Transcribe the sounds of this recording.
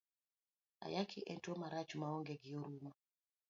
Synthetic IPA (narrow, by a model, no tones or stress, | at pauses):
a̰jakʰiʔɛntuɔmaɾat͡ʃumaɔŋɡɛɡiɔɾuma